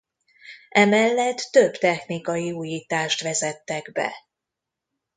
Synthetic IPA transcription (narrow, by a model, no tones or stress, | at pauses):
ʔɛmɛlːɛt̪ːøbt̪ɛxnikɒjiuːjiːt̪aːʃt̪ʋɛzɛt̪ːɛɡbɛ̰